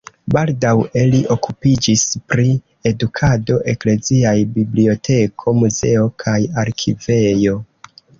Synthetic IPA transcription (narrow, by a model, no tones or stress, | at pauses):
baldawe̞liʔo̞kupid͡ʒispɾi | e̞dukʰado̞ʔe̞kle̞ziajbiblio̞tʰe̞kʰo̞muze̞o̞kʰajaɾkʰive̞jo̞